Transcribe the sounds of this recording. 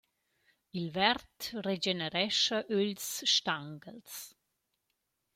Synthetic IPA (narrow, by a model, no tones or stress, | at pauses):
ilvɛɾtred͡ʒenəɾɛʃəʔølsʃtaŋɡəls